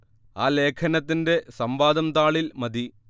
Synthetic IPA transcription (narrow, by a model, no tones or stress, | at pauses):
aːle̞ːkʰɐnɐt̪ːinde̞sɐmbaːd̪ɐmt̪aːɭilmɐd̪ʱi